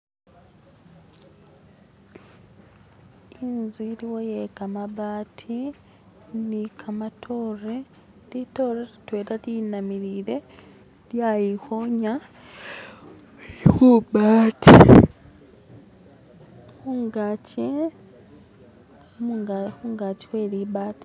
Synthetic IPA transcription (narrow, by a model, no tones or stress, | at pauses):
inziɾiwojekamaβaːtʰi | nikʰamatʰore | lito̞ɾeɾitweːɾalinamiɾiɾe̞ | ljajixoɲa | hubaːtʰi | xuŋɡaci | muxuŋɡaci̥we̞ːɾiβaːti̥